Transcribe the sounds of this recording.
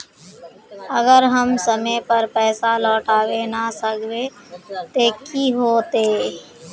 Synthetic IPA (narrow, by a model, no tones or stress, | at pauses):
əɡəɾɦəmsəmepəɾpɛːsalɔːʈaːwenasəkʰbe | t̪ekiɦoːt̪eː